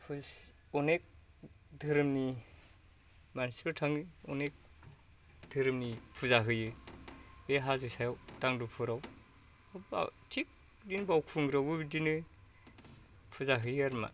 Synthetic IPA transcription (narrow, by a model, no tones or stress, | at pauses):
pʰus | ɔnek̚ | dʱɯɾmni | manspɯtʰaŋiɔnek̚ | dʱɯɾmnipʰuzaɦɯjɯ | beɦazɯjsajawtaŋdɯpʰɯɾaw | ba̰tʰik̚ | dinbawkʰuŋɡɾabɯbidinɯ | pʰuzaɦɯjɯaɾma̰